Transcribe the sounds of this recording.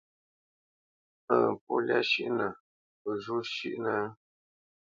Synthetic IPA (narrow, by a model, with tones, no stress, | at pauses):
əː˦˨p̚o˦lja˦ʃḭ˦ʔnə˨ | ə˨ʒu˦ʃi˦ʔnə˦